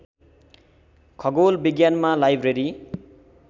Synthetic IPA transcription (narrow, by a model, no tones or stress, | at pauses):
kʰʌɡolbiɡjanmalajbɾeɾi